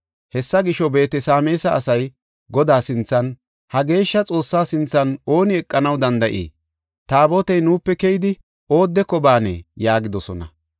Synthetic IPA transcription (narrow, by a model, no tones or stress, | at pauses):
hɛsːɐɡɪʃɔbe̞ːt̪ɛsaːme̞ːsɐːsɐj | ɡɔd̪aːsɪnt͡sːɐn | hɐɡe̞ːʃːɐt͡sʼo̞ːsːaːsɪnt͡sːɐno̞ːnɪɛkʼːɐnɐwd̪ɐnd̪ɐʔḭː | t̪aːbot̪ɛjnuːpːɛkɛjɪd̪ɪ | o̞ːd̪ːɛkɔbaːnɛ̰jaːɡɪd̪ɔsɔnɐ